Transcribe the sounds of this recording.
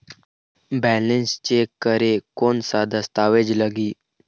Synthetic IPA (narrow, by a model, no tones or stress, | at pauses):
bɛːlenst͡ʃeːkːəɾekoːnsad̪əst̪aːʋed͡ʒləɡiː